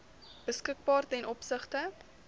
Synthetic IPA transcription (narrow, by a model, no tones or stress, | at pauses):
b̥əskək̚bɑːrtɛnʔɔpsəχtə